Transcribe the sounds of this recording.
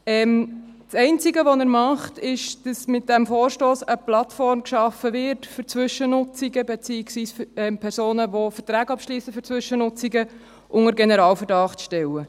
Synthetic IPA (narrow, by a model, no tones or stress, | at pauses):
ɛːm | sɛɪnt͡siɡəʋɔnəɾmɑχtɪʃd̥ɑsmɪt̚d̥æmfoːrʃtoːsəplɑtfɔɾmkʃɑfəvɪɾtfyɾt͡sʋʏʃənʊt͡siɡəbɛt͡siːɪksʋiːsfɛmpʰɛɾsoːnəʋofətɾæːɡɑpʃliːsəfʏɾt͡sʋʏʃənʊt͡siɡə | ʔʊŋəɾɡɛnɛɾɑːlfəɾdɑχtʃtɛlːə